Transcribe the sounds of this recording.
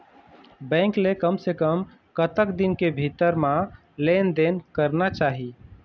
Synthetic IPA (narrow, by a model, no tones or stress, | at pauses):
bɛ̃ŋklekəmsekəm | kət̪əkd̪inkebʱit̪əɾmã | lend̪enkəɾnat͡ʃaːɦi